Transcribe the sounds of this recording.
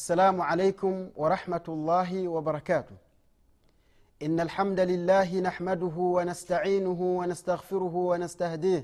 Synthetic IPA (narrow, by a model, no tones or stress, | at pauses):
ʔʔasːalaːmʊʕalajkʊmwʔɑɾˤɑħmat̪lˤːɑːɦɪwɑbɑɾˤɑkaːt̪ʊh | ʔɪnːalħamd̪alɪlːaːɦɪnaħmad̪ʊɦʊwanast̪aʕiːnʊɦʊwanast̪aɣfɪɾʊɦʊwanast̪ahd̪iː